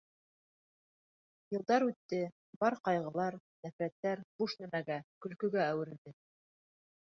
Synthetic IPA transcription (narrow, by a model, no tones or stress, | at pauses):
jɤ̆lˠd̪ɑɾʉt̪ːɘ | bɑɾqɑjʁɤ̆lˠɑɾnæfɾæt̪ːæɾb̥uʃnæmæɡækɵ̆lkɵ̆ɡæːwɘ̆ɾɘ̆ld̪ɘ